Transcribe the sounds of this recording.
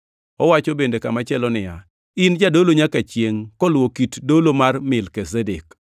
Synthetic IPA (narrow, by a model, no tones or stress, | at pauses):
ɔwat͡ʃɔbendekamat͡ʃɛlɔnɪja | ɪnd͡ʒadoloɲakat͡ʃjeŋkɔlwokitdolomarmɪlkezedek